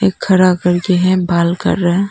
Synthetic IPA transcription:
eːkʰːəɾakəɾkeɦɛ̃baːlkə̰ɾːəɦɛ̃

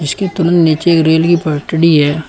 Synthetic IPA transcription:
d͡ʒɪskit̪ʊnənd̪niːt͡ʃeːkɾeːlkipɐʈəɽiɦɛː

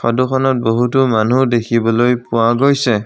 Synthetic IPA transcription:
xɔdukʰɔnɔt̚boɦutʊmanudekʰibɔlojpʊaɡojsɛ

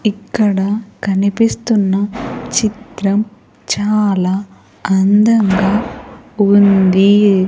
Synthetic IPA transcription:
ikːɐɽɐkɐnipist̪unːɐt͡ʃit̪ɾɐm | t͡ʃaːlaː | ɐnd̪ɐŋɡaː | und̪i

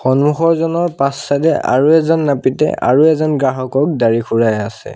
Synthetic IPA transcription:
xɔnmuxɔɹzɔnɔɹpasːadɛʔa̰ɹuɛzɔnːapitɛ̰ʔa̰ɹuɛzɔnɡɹaɦɔkɔk̚daɹixʰuɹajasɛ̰

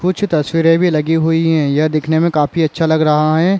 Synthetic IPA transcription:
kʊt͡ʃʰt̪ɐswiːɾẽbʱilɐɡiɦuiɦɛ̃jad̪ɪkʰnemẽkaːfiɐtːʃʰalɐɡɾɐɦaɦɛː

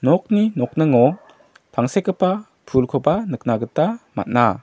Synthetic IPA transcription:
nɔk̚ninɔk̚nɯŋɔ | pʰaŋsekːəpa | pʰulkʰɔbanɯk̚naɡɯtama̰t̚na̰

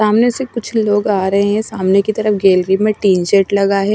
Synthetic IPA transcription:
aːmnesekʊt͡ʃʰloːɡaːɾɐɦeɦɛ̃saːmnekit̪ɐɾəfɡeːlɾimẽʈiːnʃeʈlɐɡaɦɛ

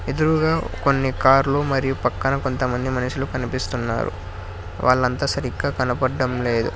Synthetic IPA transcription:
ed̪uɾuɡaːko̞nːikaːɾlumɐɾijupɐkːɐnɐko̞nt̪ɐmɐnd̪imɐnɐʂulukɐnipist̪unːa̰ːɾṵ | ʋʔa̰ːɭːɐnt̪aːsɐɾikːɐkɐnɐpɐɖːɐmle̞ːd̪ṵ

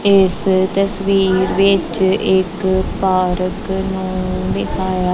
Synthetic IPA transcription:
ɪst̪əsʋiːɾʋɪt͡ʃɪkpaːɾəknũːd̪eːkʰaːjaː

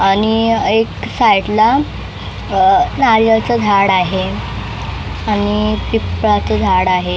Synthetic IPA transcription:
aɽ̃ieksajʈla | naɾjat͡səd͡zʱaɽaɦe | anipipɭat͡səd͡zʱaɽaɦe

